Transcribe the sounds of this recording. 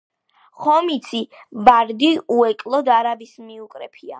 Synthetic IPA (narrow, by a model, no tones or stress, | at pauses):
χɔmit̪sʰibaɾd̪iuɛkʼlˠɔd̪aɾavismiukʼɾɛpʰia̰